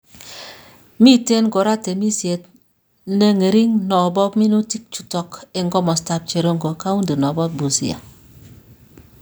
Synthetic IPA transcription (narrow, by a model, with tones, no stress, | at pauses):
mi˦te˦nɡo˨ɾa˦te˨mi˦si˨e˨t | nə˦ŋe˨ɾi˦ŋnɔ˨bɔ˦pmi˦nu˦ti˦k̚t͡ʃu̥˨tɔ˨ke˨ŋɡɔ˦mɔ˨sta˨p̚t͡ʃe˨ɾo˦ŋɡo˨ka˦u˦ndi˨nɔ˨bɔ˦p̚bu˨sḭ˦a̰˨